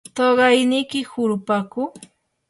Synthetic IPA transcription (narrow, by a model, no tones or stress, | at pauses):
t̪ɑɢɑjnɪjkɪhʊɾʊpakʊ